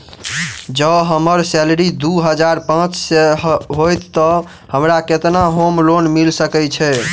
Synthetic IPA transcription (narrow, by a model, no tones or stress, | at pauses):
d͡ʒəɦəməɾsɛlɾid̪uɦəd͡ʒaɾpãt͡ʃseɦojt̪ːə | həmɾaket̪naɦomlonmilsəkɛt͡ʃʰɛ